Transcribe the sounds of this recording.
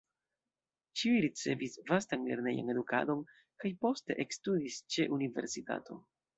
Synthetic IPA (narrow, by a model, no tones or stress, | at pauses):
t͡ʃiujɾit͡se̞visvastanle̞ɾne̞̰ja̰ne̞duka̰do̞n | kajpo̞ste̞̰ʔekstudist͡ʃe̞ʔunive̞̰ɾsita̰tʰo̞̰